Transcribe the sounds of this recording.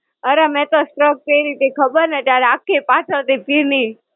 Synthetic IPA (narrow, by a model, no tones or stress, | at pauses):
əɾemɛ̃t̪osʈɾəɡ̚k̪əjɾit̪ekʰəbəɾnət̪jaɾeakːepat͡ʃʰət̪epiɾni